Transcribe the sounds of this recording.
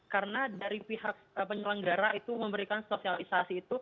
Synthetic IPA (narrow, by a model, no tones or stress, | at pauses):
kaɾənadaɾipiɦak̚əpəɲəlaŋɡaɾait̪uməmbəɾikanspesialisasiːt̪u